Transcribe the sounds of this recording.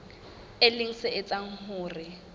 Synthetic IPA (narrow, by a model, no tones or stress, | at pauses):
ɪlɪŋ̩sɪɪt͡sʼaŋ̩hʊːrɪ